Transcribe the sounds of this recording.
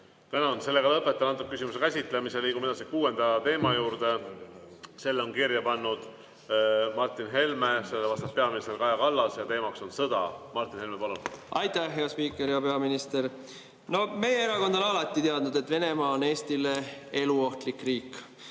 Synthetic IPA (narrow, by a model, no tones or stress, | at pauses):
t̪ænɑnse̞lːeɡɑlɤpːˑet̪ːˑɑɑnt̪ːuk̚ysimusekæsʲit̪ˑlemiseliːɡumed̪ɑsikuːe̞nd̪̥ɑt̪e̞ːmɑjuːɾd̪̥e̞ | se̞lːo̞nkirjɑpɑnːud̪̥ | mɑrt̪ːˑinɦe̞lme̞se̞lːevɑst̪ɑppe̞ɑminist̪erkɑjɑkɑlːɑsjɑt̪e̞ːmɑkso̞nsɤd̪̥ɑmɑrt̪ːˑinhe̞lmepɑlunʔɑjt̪æhɦeɑspiːkːˑeɾjɑpe̞ɑminist̪e̞r | no̞me̞jeeɾɑko̞nd̪onɑlɑt̪ːˑit̪e̞ɑd̪nud̪e̞t̪ːve̞ne̞mɑːone̞ːst̪ilee̞luo̞ht̪likriːkː